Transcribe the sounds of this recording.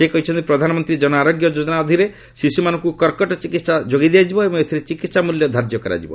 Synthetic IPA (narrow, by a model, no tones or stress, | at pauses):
sekɔɦit͡ʃʰɔnt̪ipɾɔd̪ʱanɔmɔnt̪ɾid͡ʒɔnɔaːɾoɡjɔd͡ʒod͡ʒɔnaɔd̪ʱiɾe | sisimanɔ̃ŋkukɔɾkɔʈɔt͡ʃikit̪sad͡ʒoɡid̪ijad͡ʒibɔebɔŋet̪ʰiɾet͡ʃikit̪samuljɔd̪ʱaɾd͡ʒjɔkɔɾa̰d͡ʒibɔ̰